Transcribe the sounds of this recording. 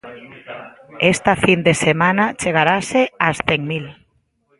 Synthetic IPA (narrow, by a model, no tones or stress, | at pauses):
est̪afind̪esemanat͡ʃeɣ̞aɾaseasθeŋmil